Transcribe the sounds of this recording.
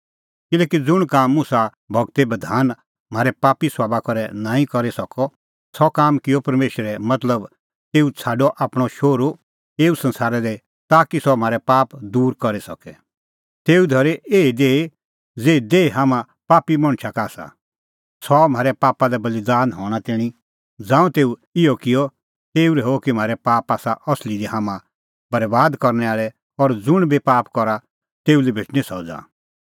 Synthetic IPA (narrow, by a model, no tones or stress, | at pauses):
kɪlɛːkid͡zʊɽ̃kaːmːʊ̃sa | bʱɐɡt̪ebɐd̪ʱaːn | m̤aːɾɛpaːpiswaːbakɔɾɛnãːĩkɔɾesɐkɔ | sɔkaːmkɪjɔpɐɾmeːʃɾɛmɐt̪ləb | t̪eːut͡sʰaːɖɔʔaːpɽ̃ɔʃoːɾo | eːusɐ̃nsaːɾɛle | t̪aːkisɔm̤aːɾɛpaːpd̪uːɾkɔɾisɐkɛ | t̪eːud̪ʱɐɾeʔeːid̪eːi | d͡zeːid̪eːiɦaːmã | paːpimɐ̃ɽ̃t͡ʃʰakaːsa̰ | sɔm̤aːɾɛpaːpalɛbɐlɪd̪aːnɦɔːɽ̃at̪ɛːɽ̃i | d͡zãːũt̪eːuɪjɔkɪjɔ | t̪eːuɾɛɦokim̤aːɾɛpaːpaːsaʔɔslid̪iɦaːmã | bɐɾbaːd̪kɔɾnɛaːɭɛ | ɔɾd͡zʊɽ̃bʱipaːpkɔɾa | t̪eːulibʱɪʈnisɔd͡za̰ː